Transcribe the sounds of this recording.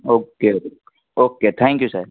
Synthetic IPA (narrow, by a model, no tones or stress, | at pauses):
oːkeo | oːket̪ʰɛ̃ŋkjusəɾ